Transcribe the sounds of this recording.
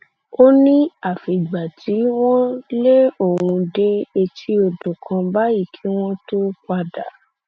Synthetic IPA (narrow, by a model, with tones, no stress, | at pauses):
o˦nĩ˦a˦˨fi˨ɡ͡ba˨tʰi˨˦w̃ɔ̃˦le˦o˦˨hũ˧de˦e˧tʰi˧˦o˧do˨kʰã˧ba˦i˦˨kʰĩ˨˦w̃ɔ̃˦to˦ka˧da˨˦